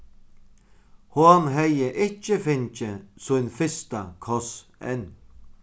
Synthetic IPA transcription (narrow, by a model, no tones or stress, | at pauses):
hoːnɦɛjəʔɪht͡ʃːəfɪɲt͡ʃɪsujnfɪst̪a̰kʰɔs | ɛ̰n